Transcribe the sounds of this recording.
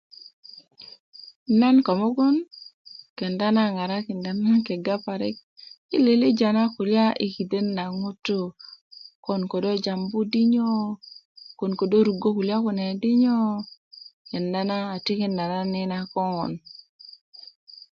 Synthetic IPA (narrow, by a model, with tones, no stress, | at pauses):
na˦nkɔ˨mo˦ɡo˦n | kɛ˨nda˦na˦˨ŋa˨ɾa˦kɪ˨nda˦na˦kɛ˨ɡa˦pa˨ɾɛ˦k̚ | i˦le˨le˦d͡ʒa˨na˦ku˨lja˦ʔi˨ki˨de˦nːa˨ŋo˦to˦ | kɔ˨nko˨do˦d͡ʒa˨mbu˦di˦ɲo˦ | ko˨nko˨do˦ɾu˨ɡo˦ku˨lja˦ko˨nɛ˨dɪ˦ɲo˦ | kɛ˨nda˦naː˦˨ti˦ke˦nda˨na˦nɪ˦na˦kɔ˦ŋɔ̰˨n